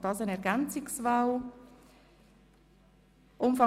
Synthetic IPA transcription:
d̥ɑsənɛɾɡɛnt͡sɪksvaʊl | ʔʊmfɑ

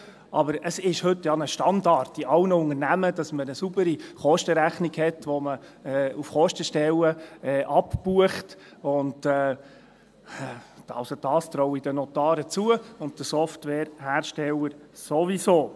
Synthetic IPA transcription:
ʔɑbəɾəsɪʃhɵtːjɑnəʃtɑndɑɾtːiʔɑwnəʊŋəɾnæməd̥ɑsmənəsubəɾiχɔʃtəɾæχniɡhɛtʋɔməɛːufχɔʃtəʃtɛləɛːʔɑpbuəχt | ʊndɛː | ɑ̰sod̥ɑːst̪ɾɔwid̥ənɔtɑːɾət͡suəʊnt̚d̥əsɔftʋɛːɾhæːɾʃtɛləɾsoʋisoː

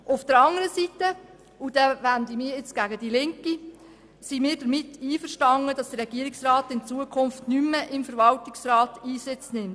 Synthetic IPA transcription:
ʔʊfd̥əɾɑŋəɾəsitə | ud̥ɛʋændimɪːɾɪt͡sɡ̥æɡəd̥ilɪŋki | simiːɾd̥əɾmɪtːiːfəɾʃtɑŋːəd̥ɑsd̥ərɾɛɡ̥iəɾɪksrɑːtɪnt͡suəkʰʊnftnymːəʔɪmfəɾʋɑltɪksɾɑːtiːsɪt͡snɪmt

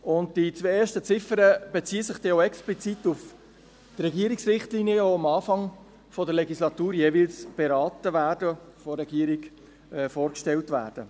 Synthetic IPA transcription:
ʊnt̚d̥it͡sʋeːeːɾʃtət͡sɪfəɾəb̥et͡siːəsɪχd̥ɛoɛksplit͡sit̪uf | t̪rɛɡiːəɾiksrɪχtlinjəoɑmɑːfɑŋ | fɔdəɾlɛɡislɑt̪uːɾjeːʋɪlsb̥eɾɑːt̪əʋæːɾdə | foɾːɛɡiəɾik | ɛfoːɾkʃtɛltʋæ̰ːɾd̥ə

